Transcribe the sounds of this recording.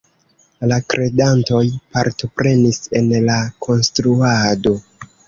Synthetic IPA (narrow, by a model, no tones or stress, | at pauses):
lakɾʔe̞danto̞jpaɾto̞pɾe̞nise̞nlakʰo̞nstɾuado̞